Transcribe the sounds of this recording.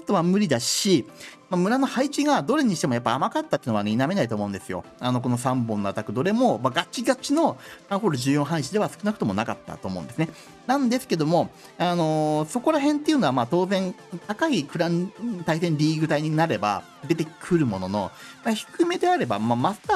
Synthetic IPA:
ot̪ːoβamɯ̟ɾʲid̪aɕimamɯ̟ɾano̞hait͡ɕiɡad̪o̞ɾe̞ɲ̟iɕi̥t̪emo̞japːaamakat̪ːat̪eːnoaneiname̞nait̪oːmo̞ɯ̃nd̪sɨjo̞̰ano̞k̬o̞no̞sãmbõ̞nːoat̪akɯ̟d̪o̞ɾe̞mo̞maɡat͡ɕiɡat͡ɕino̞ãɦoɾoʑɨːjõ̞ɰ̃ɦãĩɕid̪e̞βasɨ̥kɯ̟nakɯ̟t̪o̞mo̞nakat̪ːa̰t̪oːmõ̞̰d̪esɨne | nãnd̪e̞sɨ̥ke̞d̪o̞mo̞ | ano̞so̞ko̞ɾaɦẽ̞nt̪ːe̞iɯ̟no̞βamaːt̪o̞ːzẽ̞n | t̪akaikɯ̟ɾãnt̪ais̬ẽ̞nɾʲiːɡɯ̟t̪aiɲ̟inaɾe̞ba̰ | d̪e̞t̪e̞kʰɯ̟ɾɯ̟mo̞no̞no̞̰maçi̥kɯ̟me̞d̪e̞aɾe̞ba̰mamasa

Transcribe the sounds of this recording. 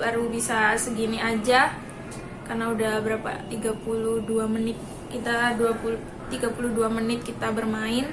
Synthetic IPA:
aɾubisasəɡiniad͡ʒa | karnaudahbəɾapa̰t̪iɡapulʊhduamənɪt̪̚ | kit̪aduapu | t̪iɡapuluduamənɪt̪̚kit̪abərmaɪn

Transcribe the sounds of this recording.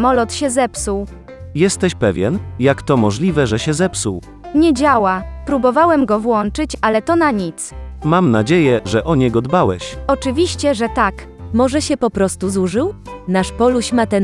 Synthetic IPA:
mɔlɔt̪ɕɛzɛpsuw | jɛst̪ɛɕpɛvʲjɛ̰njakt̪ɔmɔʐlʲivɛʐɛɕɛzɛpsuw | ɲɛd͡ʑawapɾubɔvawɛmɡɔvwɔnt͡ʂɘt͡ɕalɛt̪ɔnaɲit̪smamnad͡ʑejɛʐɛʔɔɲɛɡɔd̪bawɛɕɔt͡ʂɘvʲiɕt͡ɕɛʐɛt̪ak | mɔʐɛɕɛpɔpɾɔst̪uzuʐɘwnaʂpɔluɕmat̪ɛn

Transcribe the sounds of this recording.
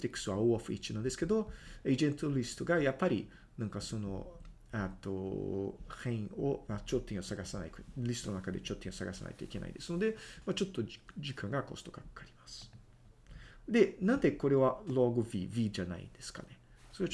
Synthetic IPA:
t̪ɾikːɯ̥sɨaooɸɯ̟it͡ʃinãnd̪esɨ̥ke̞d̪oed͡ʒẽnt̪olʲisɨ̥t̪oɡajapːaɾʲi | nãŋkaso̞no̞̰ | at̪ːo̰ | hẽɰo̰mat͡ʃot̪ːẽosaɡasana̰ikolʲisɨ̥onnakad̪et͡ʃot̪ːẽosaɡasa̰na̰it̪oike̞na̰ḭd̪esɨno̞d̪e̞mat͡ʃo̞t̪ːo̞d͡ʑikãŋɡako̞̰st̪o̞̥ɡakkaɾʲimasɨ̥ | d̪e̞nãnd̪eko̞ɾe̞βaloːɡovʲivʲid͡ʒana̰ḭ̃nd̪̥e̞sɨ̥ka̰ne̞ | so̞ɾe

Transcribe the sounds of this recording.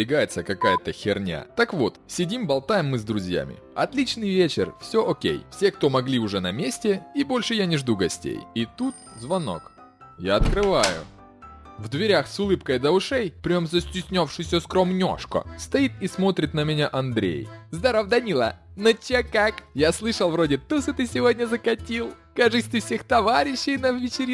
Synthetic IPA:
ɪɡajɪt̪səkɐkajət̪əxʲɪrnʲa̰t̪akvo̞t̪sʲɪdʲimbɐlˠt̪ajɪmːɨzd̪ɾʊzʲja̰mʲɪ̰ɐ̰t̪lʲit͡ɕnɨjvʲet͡ɕɪ̰rfsʲoʔokʲḛjfsʲe̞kt̪o̞mɐɡlʲiʊʐɛnɐmʲesʲtʲɪibo̞lʲʂɨjanʲɪʐd̪uɡɐsʲtʲḛjit̪ut̪̚zvɐno̞̰k | jaɐt̪kɾɨvajʊ̰ | vd̪vʲɪɾʲaxsʊlˠɨpkəjd̪əʊʂɛjpɾʲɪomzəsʲtʲɪsʲnʲofʂɨsʲːəskɾomnʲo̰ʂkə̰st̪ɐit̪ismo̞t̪ɾʲɪt̪nəmʲɪnʲaʔɐnd̪ɾʲḛjzd̪ɐɾovd̪ɐnʲilˠə̰ | not͡ɕakakjaslˠɨʂəlˠvɾodʲɪt̪usɨt̪ɨsʲɪvo̞dʲnʲəzəkɐtʲilˠ | kɐʐɨsʲt̪ʲɪfsʲext̪ɐvaɾʲɪɕːɪjnɐvvʲɪt͡ɕɪɾʲ

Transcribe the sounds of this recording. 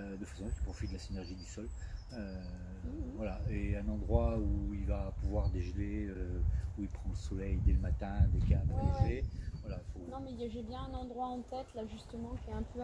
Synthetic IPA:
d̪əfasɔ̃ki̥pχɔfit̪d̪əlasinɛʁʒid̪ysɔl | ø | vwalaeɛ̃nɑ̃d̪ʁwauilvapuvwaʁd̪eʒleøuilpχɑ̃ləsɔlɛjd̪ɛləmat̪ɛ̃d̪ekabaeʒevwalaifonɔ̃mɛijaʒebjɛ̃ɛ̃nɑ̃d̪ʁwaɑ̃t̪ɛt̪laʒyst̪əmɑ̃kʲɛɛ̃pʰø

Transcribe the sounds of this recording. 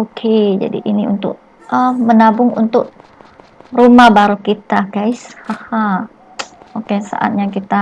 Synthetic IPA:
okʰed͡ʒa̰dḭʔiniṵnt̪ʊ̰ʔ̚ | ʔəmənabʊŋṵnt̪ʊʔ̚ | rumahbaɾukit̪aɡaɪshaha | okesa̰ʔa̰t̪̚jɲakit̪a

